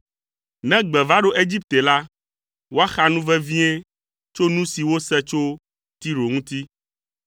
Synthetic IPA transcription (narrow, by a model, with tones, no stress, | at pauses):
nɛ̃˦ɡ͡bɛ˨va˦ɖo˦ʔe˦d͡ʑi˦p̚t̪e˨la˦ | wo˦a˦xa˦nũ˦vɛ˦vĩ˦e˦ | t͡ʃo˦nũ˦si˨wo˦sɛ˦t͡ʃo˦ | t̪i˦ɾo˨ŋũ˦t̪i˦